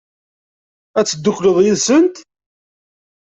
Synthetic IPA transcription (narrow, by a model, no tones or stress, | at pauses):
æt͡sːəd̪ːʊkːləðˤjiðsənt̪